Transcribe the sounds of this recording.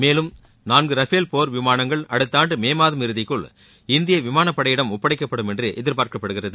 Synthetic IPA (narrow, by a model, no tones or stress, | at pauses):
meːlɯm | naːnɡɯɾɐfeːlpoːɾʋɪmaːnɐŋɡɐɭɐɽɯt̪ːaːndrɯmeːmaːðɯmɪɾɯðɪkːɯɭ | ɪnd̪ɪjɐʋɪmaːnɐpːɐɽɐjɪɽɐmʊpːɐɽɪkːɐpːɐɽɯmɛndrɯʔɛðɪɾpaːɾkɐpːɐɽɯɣɪrɐðɯ